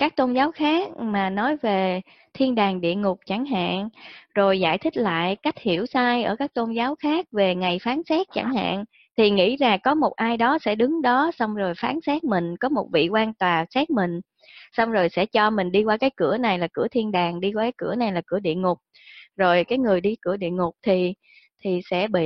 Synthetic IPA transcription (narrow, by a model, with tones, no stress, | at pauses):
kaː˦˥k̚t̪o˧nzaː˨˦wxaː˦˥k̚maː˨˩nɔ˨˦jve˨˩ | t̪ʰi˧ənɗaː˨˩ŋɗḭ˧˨əŋʊ˨˩k͡p̚t͡ɕa˧˩ŋɦa̰ː˧˨nzo˨˩jza̰ː˧˨jt̪ʰï˦˥k̟̚la̰ː˧˨jka˦˥jk̟̚hi˧˩əwsaː˧jʔəː˧˩kaː˦˥k̚t̪o˧nzaː˨˦wxaː˦˥k̚ve˨˩ŋa˨˩jfaː˨˦nsɛ˦˥k̚t͡ɕa˧˩ŋha̰ː˧˨n | t̪ʰi˨˩ŋḭ˧˥zaː˨˩kɔ˨˦mo˨˩t̚ʔaː˧jɗɔ˨˦sɛ̰˧˥ɗɨ˨˦ŋɗɔ˨˦sa˧wŋ͡mzo˨˩jfaː˨˦nsɛ˦˥k̚mï˨˩ŋ̟kɔ˨˦mo˨˩t̚vḭ˧˨kwaː˧nt̪waː˨˩sɛː˦˥k̚mï˨˩ŋ̟ | sa˧wŋ͡mzo˨˩jsɛ̰˧˥t͡ɕɔ˧mï˨˩ŋ̟ɗi˧kwaː˧kaː˨˦jkɨ˧˩əna˨˩jlaː˨˩kɨ˧˩ət̪ʰi˧ənɗaː˨˩ŋɗi˧kwaː˧kaː˨˦jkɨ̰˧˩əna˨˩jlaː˨˩kɨ̰˧˩əɗḭ˧˨əŋʊ˨˩k͡p̚ | zo˨˩jkaː˨˦jŋɨ˨˩əjɗi˧kɨ̰˧˩əɗḭ˧˨əŋʊ˨˩k͡p̚t̪ʰi˨˩ | t̪ʰi˨˩sɛ̰˧˥ɓḭ˧˨